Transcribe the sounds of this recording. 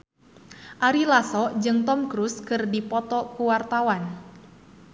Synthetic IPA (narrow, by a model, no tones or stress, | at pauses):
ʔaɾilasɔd͡ʒɨŋt̪ɔmkɾuskɨrdipɔt̪ɔkuwart̪awan